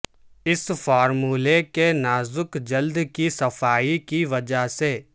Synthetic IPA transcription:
ɪsfaːɾmuːlekenaːzʊkd͡ʒɐld̪kisɐfʰaːikiʋɐd͡ʒaseː

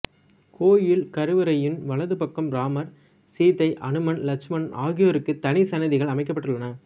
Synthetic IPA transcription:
kʰoːjɪlkɐɾɯʋɐɾɐjɪnʋɐɭɐðɯpɐkːɯmɾaːmɐɾ | siːt̪ːɐɪʔɐnɯmɐnlɐt͡ʃmɐnaːɣɪjoɾɯkːɯt̪ɐnɪsɐnɐðɪɣɐɭɐmɐɪk̬ːɐpːɐʈːɯɭːɐnɐ

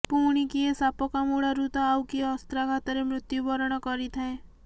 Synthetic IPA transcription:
puɽ̃ikiesapɔkamuɽaɾut̪ɔawkiɔst̪ɾakʰat̪aɾemɾʊt̪jubɔɾɔɽ̃ɔkɔɾit̪ʰae

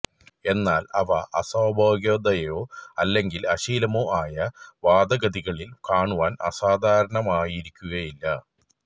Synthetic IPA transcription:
e̞nːaːlɐʋɐʔɐsɐːbʱoːɡjoːd̪ɐjo̞ːɐlːe̞ŋɡilɐɕiːlɐmoːʔaːjɐʋaːd̪ɐɡɐd̪iɣɐɭilkaːɳuʋaːnɐ̰saːd̪ʱaːɾɐɳɐmaːjiɾikʲːuɣɐjilːɐ

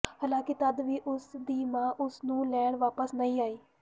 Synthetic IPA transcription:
haːlãːkɪt̪əd̪ʋiːʔʊsd̪iːmãːʔʊsnũːlɛːɳʋaːpəsnəĩːaːiː

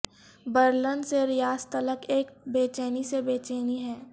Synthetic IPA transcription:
bəɾlənseɾɪjaːst̪ələkeːk̚beːt͡ʃeːnisebeːt͡ʃeːniɦɛː

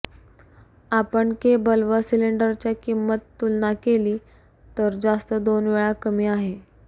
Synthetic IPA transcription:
apəɳkebəlʋəsiliɳɖəɾt͡ɕjakimːət̪ːulnakeliː | t̪əɾd͡zast̪əd̪onʋeɭakəmiːaɦe

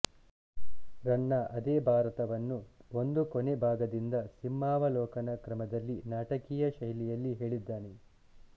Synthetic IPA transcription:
ɾɐɳːɐʔɐd̪eːbʱaːɾɐt̪ɐʋɐnːuo̞nd̪ukonebʱaːɡɐd̪ind̪ɐsimːaːʋɐlɔːkɐnɐkɾɐmɐd̪ɐlːinaːʈɐkijɐʃɐjlijɐlːiɦe̞ːɭid̪ːaːne

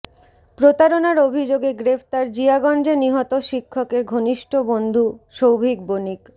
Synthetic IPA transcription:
pɾot̪aɾonaɾobʱid͡ʑoɡeɡɾeft̪aɾd͡ʑiaɡɔnd͡ʑeniɦɔt̪oʃikʰːokeɾɡʱoniʃʈʰobond̪ʱuʃowbʱik̚bonik

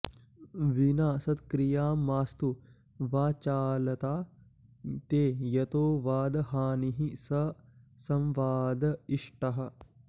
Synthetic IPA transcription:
ʋinaːsɐt̪kɾijaːmːaːst̪u | ʋaːt͡ʃaːlɐt̪aː | t̪eːjɐt̪oːʋaːd̪ɐhaːniɦisɐsɐ̃mʋaːd̪ɐiʂʈɐɦɐ̆

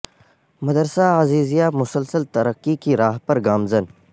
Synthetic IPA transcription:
mɐd̪əɾsaːaziːzijaːmʊsəlsəlt̪ɐɾəqːikiɾaːɦpɐɾɡaːmzən

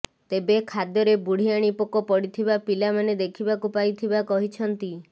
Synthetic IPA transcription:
t̪ebekʰad̪jɔɾebuɽ̤ijaɽ̃ipokɔpɔɽit̪ʰibapilamaned̪ekʰibakupajt̪ʰibakɔɦit͡ʃʰɔnt̪i

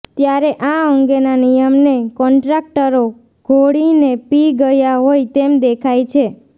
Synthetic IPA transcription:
t̪jaɾeʔãəŋɡenanijəmnekɔɳʈɾak̚ʈəɾo | ɡ̥ʱoɽinepiɡəjaɦojt̪emd̪ekʰajt͡ʃʰe

